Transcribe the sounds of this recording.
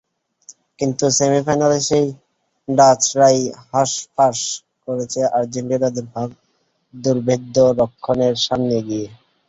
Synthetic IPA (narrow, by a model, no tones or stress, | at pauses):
kint̪usemifajnaleʃej | ɖat͡ɕɾajɦaʃpaɾʃ | koɾet͡ɕʰeʔaɾd͡ʑeɳʈioɾad̪eɾbʱak̚ | d̪uɾbʱed̪ːoɾokʰːoneɾʃamneɡie